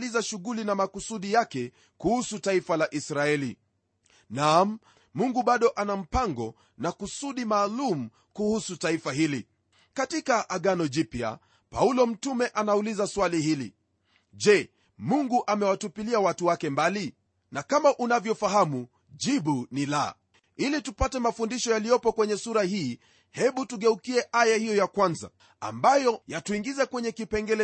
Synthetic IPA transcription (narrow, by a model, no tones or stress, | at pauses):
lizaʃuɣulinamakusuɗijakɛ | kuhusutaifalaʔisɾaɛli | nam̩ | muŋɡuɓaɗɔʔanam̩paŋɡɔ | nakusuɗimaːlum̩ | kuhusutaifahili | katikaʔaɠanɔʄipa̰ | paulɔm̩tumɛʔanaulizaswalihilḭ | ʄɛ | muŋɡuʔamɛwatupiliawatuwakɛmbali | nakamaʔunavjɔfaɦamu | ʄiɓunila̰ | ilitupatɛmafundiʃɔjalijɔpɔkwɛɲɛsuɾahiː | hɛɓutuɠɛukiɛʔajahijɔjakwanza̰ | a̰mbajɔjatuiŋɡizɛkwɛɲɛkipɛŋɡɛlɛ